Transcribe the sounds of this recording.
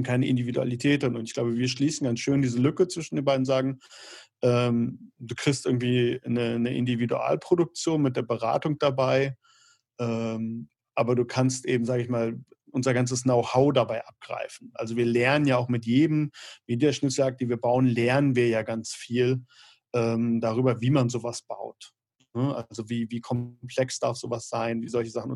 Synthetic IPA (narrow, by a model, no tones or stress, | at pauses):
kʰaɪnəʔɪ̰ndividua̰litʰɛːt̚d̥ɪnʊntɪçɡ̥laʊbəviːɐʃliːsn̩ɡansʃøːndiːzəlʏkət͡sv̥ɪʃn̩deːnbaɪdn̩zaːɡŋ̩ʔɛːmd̥uːkʁ̥ɪçstʔɪɐɡŋ̩tv̥iːnənəʔɪ̰ndividṵʔa̰ːlpʁ̥odʊk̚t͡sjoːnmɪt̚d̥eːɐbəʁa̰ːtʊŋd̥abaɪ | ʔɛːm | ʔaːbɐduːkʰanstʔeːbm̩zaːɡəɪçmaːlʔʊnzɐɡant͡səsnoʊhaʊdabaɪʔap̚ɡ̥ʁa̰ɪfn̩ʔalzoviːɐlɛɐnənjaːaʊxmɪtjeːdəm̩miːdiɐʃnɪt͡sl̩ak̚d̥iːviːɐbaʊənlɛɐnənviːɐjaːɡant͡sfiːl | ʔɛːmdaʁyːbɐviːmanzoːvasb̥a̰ʊt | nəʔa̰lzoviːviːkʰɔpʰl̥ɛksd̥aɐfz̥oːvasz̥aɪnviːzɔlçəzaχn̩ʊ